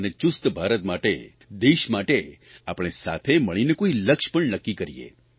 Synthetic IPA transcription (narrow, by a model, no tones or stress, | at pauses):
ənet͡ʃʊst̪bʱaɾət̪maʈḛ | d̪eʃmaʈe | apɽ̃esa̰t̪ʰeməɭ̃inekoiləkʃpəɳnəkːikəɾḭḛ